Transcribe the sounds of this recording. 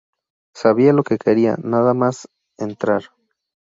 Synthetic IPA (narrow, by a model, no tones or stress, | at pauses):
saβialo̞ke̞ke̞ɾia̰naðamas | ent̪ɾaɾ